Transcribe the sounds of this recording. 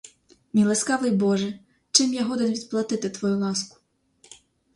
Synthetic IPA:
mʲilˠeskɑʋɪjbɔʒɛ | t͡ʃɪmjaɦɔd̪enʋʲid̪̚plˠɐt̪ɪt̪ɪt̪ʋɔjulˠɑskʊ̥

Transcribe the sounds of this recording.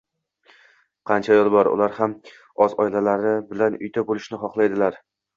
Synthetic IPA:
qʰɑnt͡ʃʰajɒlˠbɒɾʊ̰laɾham | ɒzɒɪlalaɾɪbɪlanʊ̰jt̪ʰabolˠɪʃnɪχɒχlˠajd̪ɪlaɾ

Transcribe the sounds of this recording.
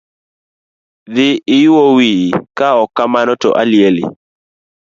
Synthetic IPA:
ðɪɪjʊwowikaɔkːamanɔtɔ̰ʔalɪelɪ̰

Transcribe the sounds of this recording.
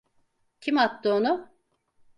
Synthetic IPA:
cʰimat̪ːɯonʊ

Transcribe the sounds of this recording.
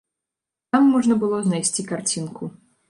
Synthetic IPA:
t̪amːɔʐnɐbɨlˠɔznajsʲt͡sʲikart͡sʲinkʰu

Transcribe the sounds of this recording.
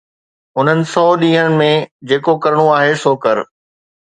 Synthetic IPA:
ʊn̤ənɪ̆sɔːɗĩːɦənɪ̆mẽd͡ʑeːkokɐɾəɽ̃uaːɦesoːkɐɾ

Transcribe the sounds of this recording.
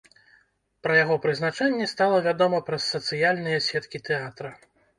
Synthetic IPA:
pɾɐjaɣɔpɾɨzn̪at͡ʂɛnʲːɛst̪alˠɐvʲad̪ɔmɐpɾɐsːɐt̪sɨjalʲnɨjɛsʲɛt̪kʲit̪ɛat̪ɾɐ

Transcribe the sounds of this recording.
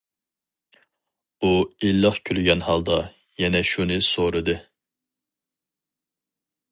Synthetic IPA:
uilːəχkʲʰylɡʲɛnhɑlˠd̪ɑ | jɛnɛʃunɨsoɾɨd̪ɨ

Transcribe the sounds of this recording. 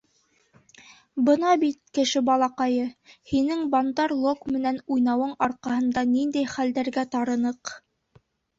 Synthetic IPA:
bɤnɑbit̪̚kɘ̆ʃɘbɑlˠɑqɑjɤhinɘŋbɑnd̪ɑɾlˠokmɘ̆nænujnɑwɤɴɑɾqɑhɤ̆nd̪ɑnind̪æjχæld̪æɾɡæt̪ɑɾɤ̆nɤq

